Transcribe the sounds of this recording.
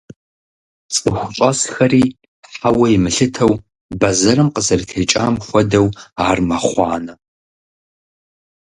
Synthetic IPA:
t͡sʼɨχʷʊt͡ʃʷʼɐsxɐɾiː | ħawɐimɨɬɨtʰɐw | bɐzɐrɨmqəzɐrtʰejt͡ʃʼa̰ːmxʷɔdɐwaːrmɐχʷɑːnɐ

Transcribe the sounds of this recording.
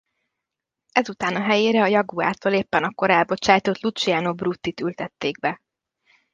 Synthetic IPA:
ɛzut̪aːnɒɦɛjeːɾɛɒjɒɡua̰ːt̪oːleːpːɛnɒkːo̞ɾɛlbo̞t͡ʃaːjt̪o̞t̪lut͡ʃiaːnobrut̪ːit̪ylt̪ɛt̪ːeːɡ̚bɛ

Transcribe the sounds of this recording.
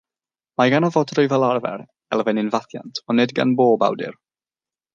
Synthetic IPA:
maɡanɔvɔdʰrʊjvɛlˠarvɛ̰ɾ | ɛlˠvɛnɪnvaθja̰ntʰɔnɨdɡa̰nboːba̰wdɪ̰r

